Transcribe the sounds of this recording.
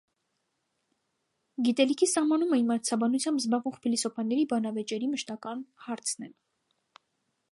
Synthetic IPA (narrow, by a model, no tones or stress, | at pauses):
ɡit̪ɛlikʰisɑhmɑnumɛimɑt͡sʰɑbɑnut͡sʰjɑmbzbɑʁvɔʁχpʰilisɔpʰɑnːɛɾibɑnɑvɛt͡ʃɛɾiməʃt̪ɑkɑnhɑɾt͡sʰnɛ̰ɾ